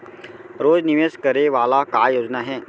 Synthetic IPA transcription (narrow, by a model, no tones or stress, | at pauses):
ɾoːd͡zniʋeskəɾeʋalakajod͡znaɦɛ